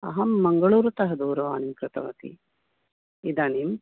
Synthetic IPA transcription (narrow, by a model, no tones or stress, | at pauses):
ɐ̰ɦɐmːɐŋɡɐɭuːɾut̪ɐɦɐd̪uːɾɐʋaːnimkɾɨt̪ɐ̰ʋɐ̰t̪ḭ | id̪aːnim